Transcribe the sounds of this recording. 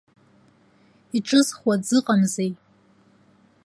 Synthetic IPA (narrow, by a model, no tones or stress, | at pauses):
iʈ͡ʂʼɨzχwad͡zɨqʼamzej